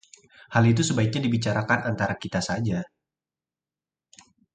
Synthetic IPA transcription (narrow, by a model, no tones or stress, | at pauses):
halit̪̬usəbaik̚ɲadibit͡ʃaɾakanant̪aɾakit̪asad͡ʒa